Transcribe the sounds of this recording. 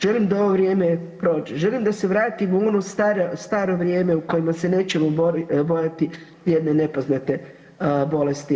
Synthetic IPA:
ʒ̥elimd̪ao̞ʋo̞ʋɾjeːmepɾo̞ːd͡ʑeʒelimd̪ase̞ʋɾaːt̪imuo̞nost̪aɾost̪aːɾo̞ʋɾjeːme̞uko̞jimase̞ne̞ːt͡ɕe̞moboɾbo̞jat̪i | jed̪nene̞poznat̪e̞ | bo̞lest̪i

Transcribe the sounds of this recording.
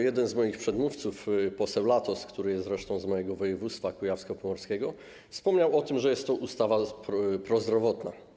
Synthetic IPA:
jɛd̪ɛnzmɔjixpʂɛd̪muft̪sufpɔsɛwlat̪ɔskt̪uɾɘjɛst̪ɾɛʂt̪ɔ̃w̃zmɔjɛɡɔvɔjɛvut̪st̪fakujafskɔpɔmɔɾskʲɛɡɔ | fspɔmɲawɔt̪ɘmʐɛjɛst̪ːɔʔust̪avapɾɔzd̪ɾɔvɔt̪na̰

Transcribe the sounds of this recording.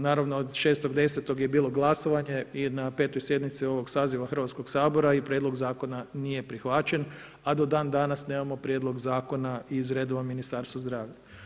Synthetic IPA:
naːɾaʋnood̪ʃeːst̪oɡd̪e̞se̞t̪o̞ɡje̞biːlˠo̞ɡlˠaso̞ʋaɲe̞inape̞ːt̪o̞jsjed̪mit̪sio̞ʋo̞ɡsaːziʋaxr̩ʋat̪sko̞ɡsaːbo̞ɾaipɾjed̪lˠo̞ɡzaːko̞nanije̞pɾixʋat͡ʃen | ad̪o̞d̪aːnd̪aːnasneːmamo̞pɾjed̪lˠo̞ɡzaːko̞naizɾed̪oʋaminist̪aːɾst̪ʋazd̪ɾaːʋʎa

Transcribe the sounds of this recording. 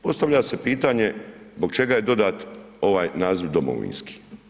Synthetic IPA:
po̞st̪aʋʎase̞piːt̪aɲe̞zbo̞ɡ̚t͡ʃe̞ɡaje̞d̪o̞d̪at̪ | o̞ʋaːjnaːziʋd̪o̞mo̰ʋḭːnski̥

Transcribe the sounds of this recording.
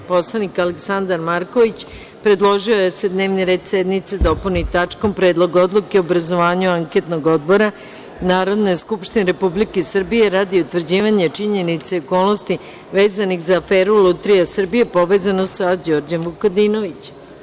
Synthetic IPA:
po̞slˠanikaleksand̪aɾmaɾkoʋit͡ɕ | pɾe̞d̪lˠo̞ʒiojese̞d̪ne̞ːʋniɾe̞ːd̪sed̪mit̪sed̪o̞punit̪at͡ʂko̞mpɾe̞ːd̪lˠo̞ɡo̞d̪lˠukeoobɾazo̞ʋaːɲuaŋke̞t̪no̞ɡod̪̚bo̞ɾa | naːɾo̞d̪nejskupʃt̪ineɾe̞publikesr̩bije̞ɾad̪iut̪ʋr̩d͡ʑiːʋaɲet͡ʂiɲe̞nit̪seoko̞ːlˠnost̪i | ʋeːzanixzaːfeːɾulut̪ɾijasr̩bije̞po̞ʋeːzanossad͡ʑo̞ːɾd͡ʑamʋukod̪ino̞ʋit͡ɕ

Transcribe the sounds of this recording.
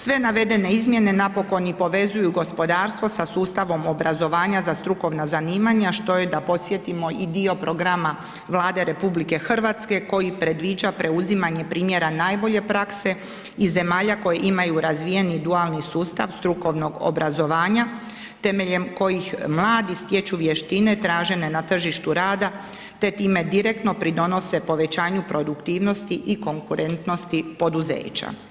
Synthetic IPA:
sʋe̞naʋe̞d̪e̞ne̞izmje̞ne̞napo̞ko̞nipo̞ʋe̞zujuɡospo̞d̪aːɾst̪ʋo̞sasuːst̪aʋo̞mobɾʔazo̞ʋaːɲazast̪ɾuko̞ʋnazaniːmaɲaʃt̪o̞jed̪apo̞t̪sje̞t̪imo̞id̪io̞pɾo̞ɡɾama | ʋlˠaːd̪e̞ɾe̞publike̞xr̩ʋat̪ske̞ko̞jipɾe̞d̪ʋiːd͡ʒapɾe̞uzimaɲe̞pɾiːmje̞ɾanaːjbo̞ʎe̞pɾakse̞ | ize̞maːʎako̞jeʔimajuɾazʋije̞nid̪ualnisuːst̪aʋst̪ɾuko̞ʋno̞ɡo̰bɾʔazo̞ʋaːɲa | t̪e̞meʎe̞mko̞jixmlˠaːd̪ist̪je̞t͡ɕuʋjeʃt̪ine̞t̪ɾaːʒe̞ne̞nat̪r̩ʒiʃt̪uɾaːd̪a | t̪e̞t̪iːme̞d̪iɾe̞k̚t̪no̞pɾid̪o̞no̞se̞po̞ʋe̞t͡ɕaːɲupɾo̞d̪ukt̪iːʋno̞st̪iʔiko̞ŋkuɾe̞nt̪no̞st̪ipo̞d̪uzḛːt͡ɕa̰

